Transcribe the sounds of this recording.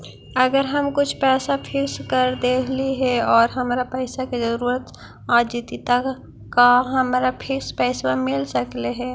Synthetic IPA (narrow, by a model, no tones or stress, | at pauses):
ɐɡəɾɦɐmkʊt͡ʃʰpɛːsapʰɪkskɐɾd̪eːkʰliɦɛɔːɾɦɐmaːɾapɛːsakezɐɾuːɾət̪ | aːd͡ʒit̪it̪a | kaɦɐmaːɾapʰɪkspɛːswamɪlsɐkleɦɛː